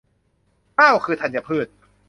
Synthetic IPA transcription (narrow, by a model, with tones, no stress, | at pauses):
aː˥˩wkʰɯː˧t̪ʰa˧˩nja˨˩pʰɯː˥˩t̪̚